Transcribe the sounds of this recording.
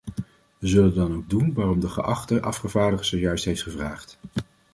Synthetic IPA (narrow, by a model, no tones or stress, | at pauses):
ʋəzɵləndɑnowɡ̚dunʋaːrɔmdəχə̰ʔɑχtəʔɑ̰fχəvaːɹdəχəzojœɥstɦejftχəvraːχt